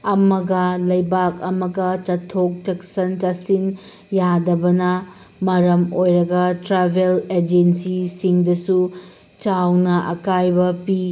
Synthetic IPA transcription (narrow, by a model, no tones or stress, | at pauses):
ɐmɐɡɐlɐjbakɐmɐɡɐt͡ʃɐtʰːok̚tɐksɐntasin | jadɐbɐnɐ | mɐɾɐmojɾɐɡɐtɾabʱeled͡ʒensisiŋdɐsu | t͡ʃawnɐʔɐ̰kajbɐpi